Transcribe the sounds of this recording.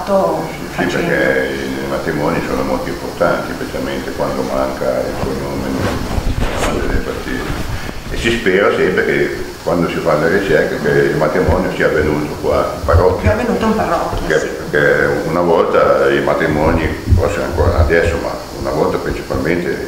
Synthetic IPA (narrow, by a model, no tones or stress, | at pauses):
siekɛ | ejmat̪ɾimɔːnisoːnomolt̪oimport̪ant̪ispet͡ʃ̪ialment̪ekwand̪omaŋkaḭlsɔjnoːmenḛl | ad̪ed̪epat̪ːḭːɾi | esispɛːɾasɛmpɾeke | kwand̪osifanolerit͡ʃɛrkekeilmat̪ɾimɔːnjosiːavenuːt̪okwauparɔkʲːvenut̪oumparɔkːkɛperkɛunavɔlt̪aimat̪ɾimɔnipɔsːona̰ŋkoːɾaad̪ɛsːoma̰ | ṵnavɔlt̪apɾint͡ʃi̥palment̪e